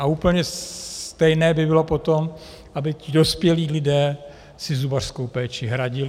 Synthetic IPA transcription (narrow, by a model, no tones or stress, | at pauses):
ʔauːpl̩ɲɛt̪ɛjnɛːbɪbɪlo̞pot̪om | ʔabɪcɪdo̞spjɛliːlɪdɛː | sɪzubar̥skowpɛːt͡ʃɪɦɾaɟɪl